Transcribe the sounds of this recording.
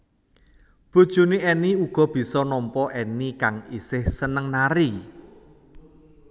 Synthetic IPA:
b̥ṳd̥ʒ̥ṳniɛniuɡ̥ɔ̤b̥i̤sɔnɔmpɔʔenikaŋisɪhsənəŋnaɾi

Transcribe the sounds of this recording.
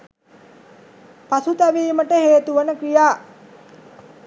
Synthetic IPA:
pasut̪æʋiːməʈəɦeːt̪uʋənəkɾijaː

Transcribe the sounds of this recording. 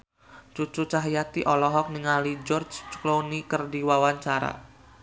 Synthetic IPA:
t͡ʃut͡ʃut͡ʃaɦjat̪iʔɔlɔɦɔk̚niŋalid͡ʒɔrd͡ʒt͡ʃklonikərdiwawaɲt͡ʃaɾa̰

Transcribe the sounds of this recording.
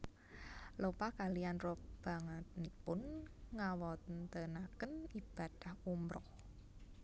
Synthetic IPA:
lopakalianrɔb̥a̤ŋət̪̚nipʊnŋawɔt̪ənt̪ənakənib̥a̤d̥a̤humɾɔh

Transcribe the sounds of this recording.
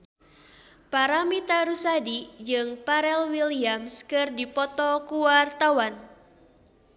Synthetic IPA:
paɾamit̪aɾusadid͡ʒɨŋpaɾɛlwiliamskɨrdipɔt̪ɔkuwart̪awan

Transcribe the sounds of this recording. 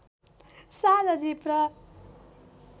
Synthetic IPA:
sad̪ʌd͡zipɾʌ

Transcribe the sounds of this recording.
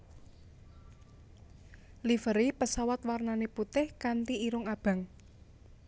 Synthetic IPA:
lifəɾipəsawat̪warnaneput̪ɪhkant̪iiɾʊŋab̥ä̤ŋ

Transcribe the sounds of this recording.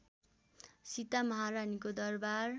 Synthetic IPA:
sit̪amʌɦaɾanikod̪ʌrbar

